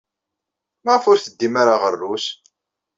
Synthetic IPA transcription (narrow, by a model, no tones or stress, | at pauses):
mæʁəfʊɾθəd̪ːimaɾaʁərːus